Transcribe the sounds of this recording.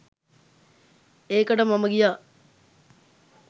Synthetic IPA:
eːkəʈəmaməɡijaː

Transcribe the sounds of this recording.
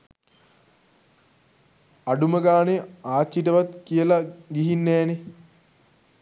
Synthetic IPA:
aɖuməɡaːneaːt͡ʃːiʈəʋat̪kijəlaɡiɦinːɛːne

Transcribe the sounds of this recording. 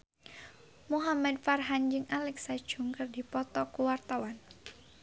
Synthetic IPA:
muɦamad̪̚farɦand͡ʒɨŋalɛksḁʒ̥uŋkərdipɔt̪ɔkuwart̪awan

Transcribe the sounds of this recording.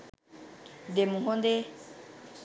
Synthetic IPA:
d̪emũɦõnd̪e

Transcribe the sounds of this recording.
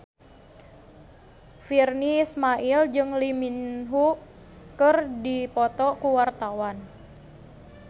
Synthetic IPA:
firniːsmaʔild͡ʒɨŋliminɦuʔ | kɨrdipɔt̪ɔkuwart̪awan

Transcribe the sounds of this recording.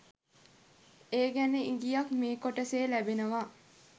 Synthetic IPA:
eːɡæneiŋɡijakmeːkoʈəseːlæbenəʋa

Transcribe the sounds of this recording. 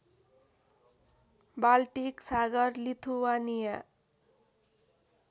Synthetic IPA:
balʈiksaɡʌrlit̪ʰuwanija

